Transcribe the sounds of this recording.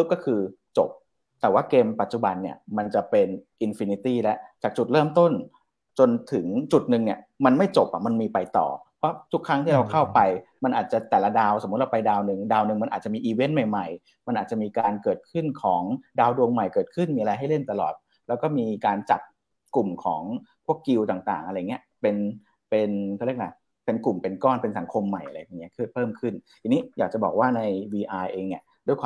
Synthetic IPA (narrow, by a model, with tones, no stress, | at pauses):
ɯ˦˥p̚kɔː˥˩kʰɯː˧ | t͡ɕo̰˨˩p̚ | t̪ɛː˨˩waː˥˩keː˧mpa˨˩t̪̚t͡ɕu˨˩ba˧nːi˦˥˩ɐma˧nt͡ɕa˨˩pe˧nʔi˧nfi˧ni˧˥t̪iː˥˩lɛ˦˥ʔt͡ɕaː˨˩k̚t͡ɕu˨˩t̪̚ɾɤː˥˩mt̪o˥˩n | t͡ɕo˧nt̪ʰɯ˩˦ŋt͡ɕu˨˩t̪̚nɯ˨˧ŋni˥˩ɐma˧nma˥˩jt͡ɕo˨˩p̚ʔa̰˨˩ma˧nmiː˧pa˧jt̪ɔ̰ː˨˩pʰɾɔ˦˥t̪ʰu˦˥kʰːɾa˦˥ŋt̪ʰiː˥˩ɾa˧wkʰa˥˩wpa˧jma˧nʔaː˨˩t̪̚t͡ɕa˨˩t̪ɛː˨˩la˦˥daː˧wso˨˩˦m˦˥t̪̚ɾa˧pa˧jdaː˧wnɯ˨˧ŋdaː˧wnɯ˨˧ŋm˧nʔ̪̚ːt͡ɕa˨˩miː˧ʔiː˧we˦˥nma˨˩jma˨˩j | ma˧nʔaː˨˩t̚t͡ɕa˨˩miː˧kaː˧nkɤː˨˩t̪̚kʰɯ˥˩nkʰɔː˩˦ŋdaː˧wdu˧əŋma˨˩jkɤː˨˩t̪̚kʰɯ˥˩nmiː˧ʔɾa˧jɦa˥˩jle˥˩nt̪a˧lɔ̰ː˨˩t̪̚ | lɛː˦˥wkɔː˥˩miː˧kaː˧nt͡ɕa˨˩p̚ | ku˨˩mkʰɔː˩˦ŋpʰu˥˩əkːi˧wt̪aː˨˩ŋt̪a̰ː˨˩ŋʔa˧a˧jːŋːni˦˥əpe˧n | pe˧nkʰa˥˩ɾi˥˩k̚la˦˩ | pe˧nku˨˩mpe˧nkɔː˥˩npe˧nsa˩˦ŋkʰo˧mːa˨˩jʔa˧ɾa˧˨˩nː˦˥kʰɯ˥˩pʰɤː˥˩mkʰɯ˥˩nt̪ʰi˧ni˦˥jaː˨˩k̚t͡ɕa˨˩bɔː˨˩k̚waː˥˩na˧jwiː˧ʔaː˧jʔeː˧ŋi˧˩du˥˩jkwaː˧